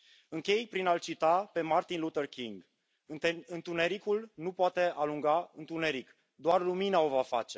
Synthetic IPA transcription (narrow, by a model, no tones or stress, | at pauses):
ɨŋkʲe̞jpɾinalt͡ʃit̪ape̞mart̪inlut̪ərkʲiŋɡ̪ | ɨnt̪une̞ɾikulnupoat̪e̞ʔaluŋɡaɨnt̪une̞ɾik | d̪oarluminao̞vafa̰t͡ʃe̞